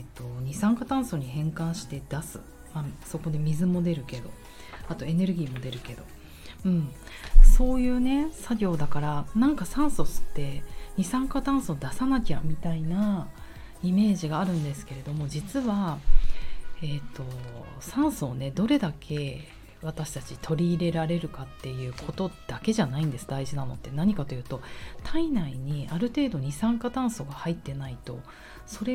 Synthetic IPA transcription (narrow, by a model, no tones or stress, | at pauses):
et̪ːo̞ɲ̟isãŋkat̪ãɰ̃so̞ɲ̟ihẽ̞ŋkãɰ̃ɕi̥t̪e̞d̪̥asɨ̰ | maso̞ko̞d̪emʲizɨmo̞d̪e̞ɾɯ̟ke̞d̪o̞̰ | at̪o̞e̞ne̞ɾɯ̟ɡʲiːmo̞d̪e̞ɾɯ̟ke̞d̪o̞̰ | ɯ̟̃ɴso̞ːjɯ̟ːne̞saɡʲo̞ːd̪akaɾanãŋkasãɰ̃so̞sɨ̥t̪ːe̞ɲ̟isãŋkat̪ãɰ̃so̞d̪asanakʲamʲit̪aina | ime̞ːʑiɡaːɾɯ̟̃nd̪e̞sɨ̥ke̞ɾe̞d̪o̞mo̞d͡ʑit͡sɨβa | et̪ːo̞sãɰ̃soːne̞d̪o̞ɾe̞d̪akʰe̞ | βat̪aɕi̥t̪at͡ɕit̪ʰo̞ɾʲiːɾe̞ɾaɾe̞ɾɯ̟kat̪ːe̞jɯ̟ːkʰo̞t̪o̞d̪̥ake̞ʑanaĩnd̪e̞sɨd̪aiʑinano̞̰t̪ːe̞naɲ̟ikat̪o̞jɯ̟ːt̪o̞t̪ʰainaiɲ̟iaɾɯ̟t̪e̞ːd̪o̞ɲ̟isãŋkat̪ãɰ̃so̞ɡahait̪ːe̞nait̪o̞̰ | so̞ɾe̞